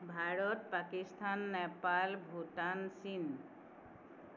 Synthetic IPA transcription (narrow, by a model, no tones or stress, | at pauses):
bʱaɹɔt̪pakist̪ʰanːɛpalbʱutansin